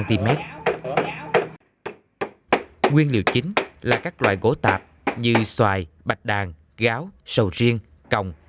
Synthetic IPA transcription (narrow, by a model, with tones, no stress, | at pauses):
nt̪i˧mɛ˦˥t̚ | ŋwi˧ənlḭ˧˨əwt͡ɕï˨˦ŋ̟laː˨˩kaː˦˥k̚lwa̰ː˧˨jɣo˧˨˦t̪aː˨˩p̚ | ɲɨ˧swaː˧˨˩jɓa˨˩t̚ɗaː˨˩ŋ | ɣaː˨˦wsə˨˩wzi˧əŋ | kə˨˩wŋ͡m